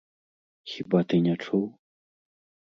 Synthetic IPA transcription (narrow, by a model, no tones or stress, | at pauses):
xʲibat̪ɨnʲat͡ʂuw